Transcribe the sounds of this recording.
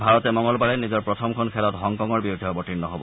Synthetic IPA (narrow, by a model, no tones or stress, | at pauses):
bʱaɹɔt̪ɛmɔŋɔlbaɹɛnizɔɹpɹɔt̪ʰɔmkʰɔnkʰɛlɔt̪ɦɔŋkɔŋɔɹbiud̪ʱibɔʈinnɔɦobɔ̰